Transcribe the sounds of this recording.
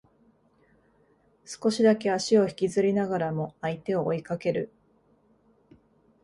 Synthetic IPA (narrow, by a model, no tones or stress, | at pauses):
sɨ̥ko̞ɕid̪ake̞aɕio̞çi̥kʲizɨɾʲinaɡaɾamo̞ait̪e̞o̞ʔːikake̞ɾɯ̟